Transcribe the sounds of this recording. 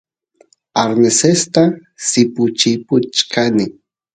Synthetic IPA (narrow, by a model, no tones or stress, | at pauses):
aɾnesest̪a | sɪpʊt͡ʃɪpʊt͡ʃkʰanɪ